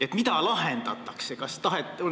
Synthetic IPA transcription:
et̪mit̪ɑlɑɦend̪ɑt̪ːˑɑksekɑst̪ɑɦet̪ːo

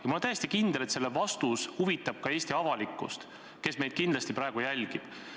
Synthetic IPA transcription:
jɑmulnæjest̪ikind̪̥e̞le̞t̪se̞lːevɑst̪ushuvit̪ːˑɑb̥̚kɑe̞ːsʲt̪iɑvɑlikːˑṵst̪ | ke̞sme̞jd̪̥̚kind̪lɑst̪ipɾɑeɡ̥ujælʲɡ̥ib̥

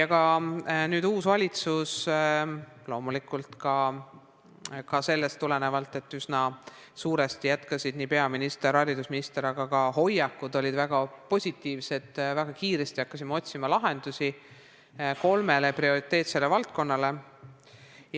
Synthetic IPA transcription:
jɑkɑnyːd̪uːsvɑlʲit̪sus | lo̞ːmulikult̪kɑ | kɑse̞lːe̞st̪ːule̞ne̞vɑlt̪ːˑe̞t̪ːˑysnɑ | suːɾest̪ijæt̪kɑsʲid̪̥niːpe̞ɑminist̪eɾɑɾid̪usminist̪e̞ɾɑɡ̥ɑɡɑho̞jɑkːˑud̪o̞lʲid̪̥væɡ̥ɑpo̞sʲit̪ːˑiːvse̞d̪̥væɡ̥ɑkiːɾe̞st̪iɑkːɑsimːeot̪ʲsimɑlɑɦe̞nd̪usi | ko̞lme̞le̞prio̞ɾit̪ːˑe̞ːt̪se̞lːevɑlt̪̚ko̞nːɑle̞

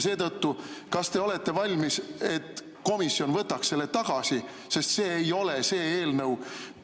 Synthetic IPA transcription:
se̞ːt̪ɤt̪ːukɑst̪e̞o̞le̞t̪ːe̞vɑlʲmise̞t̪ː | ko̞misːjo̞nvɤt̪ːɑksse̞lːe̞t̪ɑɡ̥ɑsi | se̞st̪se̞ːejo̞le̞se̞ːeːlnɤw

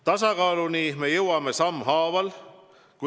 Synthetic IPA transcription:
t̪ɑsɑkɑːlunime̞jɤwɑme̞sɑmːhɑːvɑl | ku

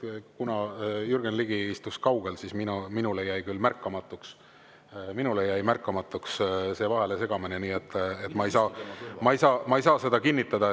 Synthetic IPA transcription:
kunɑjurɡ̥enliɡiist̪uskɑwɡ̥e̞lsisminminulejæjkylːmærkːˑɑmɑt̪ːˑuks | minulejæjmærkːˑɑmɑt̪ːˑuksse̞ːvɑɦe̞le̞se̞ɡ̥ɑmineniːe̞t̪ːet̪mɑejsɑːmɑejsɑːmɑejsɑːsed̪ɑkinʲːit̪ːˑɑd̪̥ɑ

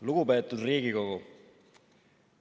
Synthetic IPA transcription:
luɡ̥upeːt̪ːˑud̪riːɡiko̞ɡu

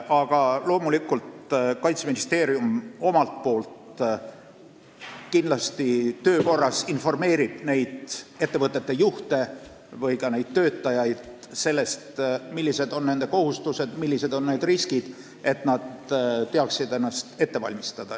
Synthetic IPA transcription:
ɑɡ̥ɑlo̞ːmulikːˑult̪kɑjt̪seminist̪e̞ːɾiumo̞mɑlt̪̚po̞ːlt̪ | kindlɑst̪it̪ø̞ːko̞rːɑsinfo̞rme̞ːɾib̥ne̞jd̪̥e̞t̪ːe̞vɤt̪ːˑe̞t̪ːe̞juht̪e̞ | vɤjkɑne̞jd̪̥̚t̪ø̞ːt̪ːˑɑjɑjd̪̥ | se̞lːe̞st̪milʲːise̞d̪̥o̞nne̞nd̪e̞ko̞ɦhust̪use̞d̪̥milːise̞d̪o̞nneːd̪̥riskid̪̥ | e̞t̪nɑd̪t̪ːe̞ɑksid̪enːɑst̪e̞t̪ːe̞vɑ̰lʲmist̪ɑd̪̥ɑ

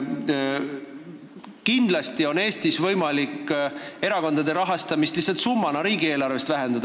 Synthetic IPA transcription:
kind̪̥lɑst̪io̞ne̞ːst̪isvɤjmɑlikːe̞ɾɑko̞nd̪̥ɑd̪e̞ɾɑɦɑst̪ɑmist̪lisɑlt̪sumːɑnɑɾiːɡie̞ːlɑrve̞st̪væɦe̞nd̪̥ɑd̪̥

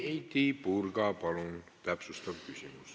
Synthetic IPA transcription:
eit̪iːpurkɑːpɑlunt̪æpsust̪ɑʋkysy̰mys

